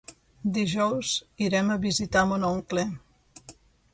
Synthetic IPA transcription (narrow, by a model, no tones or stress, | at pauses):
d̪iʒɔwziɾɛməβizit̪amonoŋklɛ